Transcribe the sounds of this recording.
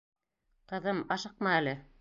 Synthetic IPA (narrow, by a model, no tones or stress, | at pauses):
qɤ̆ðɤmɑʃɤq̚mɑælɘ